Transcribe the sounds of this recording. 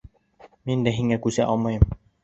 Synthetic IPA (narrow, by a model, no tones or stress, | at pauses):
mind̪æɦiŋækʉsæʔɑlˠmɑjɤm